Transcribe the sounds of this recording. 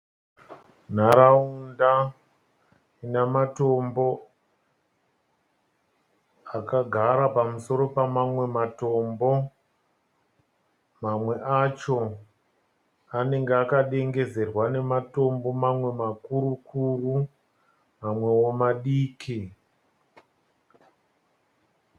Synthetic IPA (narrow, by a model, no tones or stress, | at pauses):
n̤aɾaunda | namato̞mbo̞ | akaɡʱaɾapamuso̞ɾo̞pamamwe̞mato̞mbo̞ | mamwe̞ʔat͡ʃo̞ | ane̞ŋɡeakaɗe̞ŋɡe̞ze̞rwane̞mato̞mbo̞mamwe̞makuɾukʰuru | mamwe̞womaɗiːkʰi